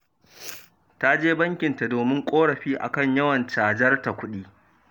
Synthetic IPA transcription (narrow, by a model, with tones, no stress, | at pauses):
ta˦d͡ʒeː˦bɐ˦ŋkʲɪ˨nta˨doː˨mɪ˦ŋkʷʼoː˦ɽɐ˨ɸiː˦ʔa̰˨kɐ˦˨ɲjɐ˦wɐ˨nt͡ʃaː˨d͡ʒɐ˦rta˨kʷʊ˦ɗiː˦